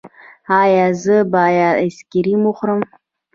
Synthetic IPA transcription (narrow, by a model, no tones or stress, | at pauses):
ajazɨbajaaskʲeɾimuχʷrɨm